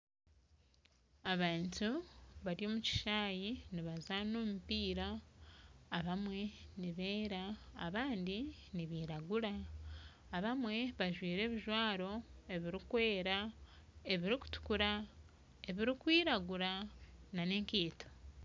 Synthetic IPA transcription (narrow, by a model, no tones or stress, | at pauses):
aβaːntuβaɾjo̞ːmuci̥ʃaːjiniβazanoːmupiːɾaː | βamwe̞niβeːɾa̰ːβaːndiniβiːɾaɡuɾaː | βamwe̞βaʒwiːɾe̞ːβiʒwaːɾo̞e̞βiɾikwe̞ːɾa | e̞βiɾiku̥tu̥kuɾa | e̞βiɾikwiːɾaɡuɾanane̞ːŋkeːto̥